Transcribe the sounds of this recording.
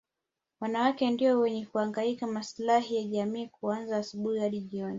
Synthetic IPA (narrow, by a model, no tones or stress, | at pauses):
wanawakɛndiɔwɛɲɛkuaŋɡaikamaslahijaʄamiːkuanzaːsuɓuhihaɗiʄiɔni